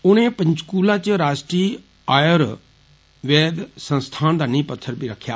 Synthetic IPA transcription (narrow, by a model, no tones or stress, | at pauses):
ʊnẽːpə̃ɲt͡ʃkuːlãːt͡ʃɾaːsʈɾiː | aːjəɾ | ʋɛːd̪sə̃nst̪ʰaːnd̪aːnĩːpət̪ʰːəɾbʱiːɾəkʰːja̰ː